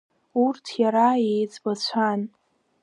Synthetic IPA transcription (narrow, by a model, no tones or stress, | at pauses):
urtʰjaɾaejt͡sʼbat͡ɕʷʰan